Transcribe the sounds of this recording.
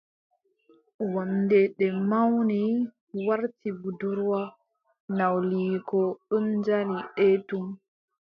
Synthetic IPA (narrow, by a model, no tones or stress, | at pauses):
wamdɛɗɛmawni | waɾtibuduɾwa | nawliːkɔund͡ʒaliɗɛtum